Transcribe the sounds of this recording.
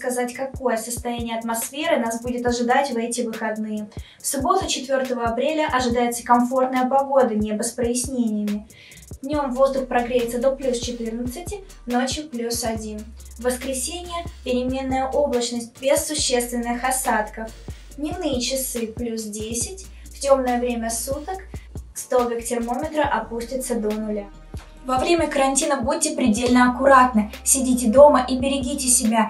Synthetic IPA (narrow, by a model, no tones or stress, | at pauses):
kɐzatʲkɐko̞jəsəst̪ɐjænʲɪjəɐt̪mɐsfʲe̞ɾɨnasbudʲɪt̪ɐʐɨd̪atʲvɛtʲɪvɨxɐd̪nɨjəfsʊbo̞t̪ʊt͡ɕɪt̪vʲo̞rt̪əvəɐpɾʲelʲəʔɐʐɨd̪ajɪt̪sə̥kɐmfo̞rt̪nəjəpɐɡo̞d̪ənʲebəspɾəjɪsʲnʲenʲɪjəmʲɪ | vnʲo̞mvo̞zd̪ʊxpɾɐɡɾʲejɪt̪ːəd̪oplʲust͡ɕɪt̪ɨrnət̪sɨtʲɪ | no̞t͡ɕjʊplʲusɐdʲin | vəskɾʲɪsʲenʲɪjəpʲɪɾʲɪmʲe̞nːəjəʔo̞blˠət͡ɕnəsʲt̚ʲbʲesːʊɕːe̞st̪vʲɪnːɨxɐsat̪kəf | nʲɪvnɨjət͡ɕɪsɨplʲus̬dʲesʲɪtʲ | ftʲo̞mnəjəvɾʲemʲəsut̪əkst̪ovʲɪktʲɪrmo̞mʲɪt̪ɾəʔɐpusʲtʲɪt̪səd̪onʊlʲa | vɐvɾʲemʲəkəɾɐnʲtʲinəvbud̚ʲtʲːɪpɾʲɪdʲelʲnəɐkʊɾat̪nəsʲɪdʲitʲɪd̪o̞məʔibʲɪɾʲɪɡʲitʲɪsʲɪbʲa